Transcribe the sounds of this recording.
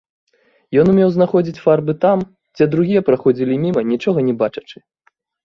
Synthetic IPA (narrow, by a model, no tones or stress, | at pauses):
jɔnumʲɛwznaxɔd͡zʲit͡sʲfarbɨt̪am | d͡zʲɛd̪ɾuɣʲijɛpɾaxɔd͡zʲilʲimʲimɐnʲit͡ʂɔɣɐnʲɛbat͡ʂɐ̥t͡ʂɨ̥